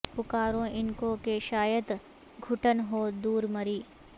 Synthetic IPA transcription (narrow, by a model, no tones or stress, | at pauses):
pʊkaːɾõɪnkokeʃaːjət̪ | ɡʱʊʈənɦoːd̪uːɾmɐɾiː